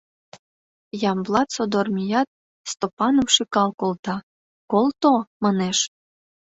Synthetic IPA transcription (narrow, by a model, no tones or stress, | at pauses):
jɑmblˠɑt̪sod̪ormʲijɑt̪̚ | st̪opɑnowʃikɑlkolˠt̪ɑ | kolt̪omɑneʃ